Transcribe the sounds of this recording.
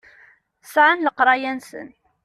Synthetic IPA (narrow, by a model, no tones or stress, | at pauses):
sʕanləqɾˤɑjænsə̰n